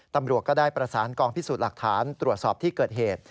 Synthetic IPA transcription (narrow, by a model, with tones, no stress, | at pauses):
t̪a˧mɾu˨˩ət̪̚kɔː˥˩daː˥˩jpɾa˧saː˩˦nkɔː˧ŋpʰi˥suː˨˩t̪̚la˨˩k̚t̪ʰaː˩˦nt̪ɾu˨˩ət̪̚sɔː˨˩p̚t̪ʰiː˥˩kɤː˨˩t̪̚ɦeː˨˩t̪̚